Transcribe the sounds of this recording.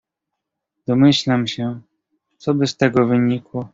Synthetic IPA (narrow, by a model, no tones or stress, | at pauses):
d̪̥ɔmɘɕlamɕɛ | t̪sɔbɘst̪ɛɡɔvɘɲikwɔ